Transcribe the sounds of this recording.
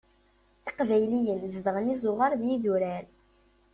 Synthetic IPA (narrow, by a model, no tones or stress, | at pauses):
ɪqvæjlijənzd̪əʁənizˤʊʁəɾðjiðuɾæɾ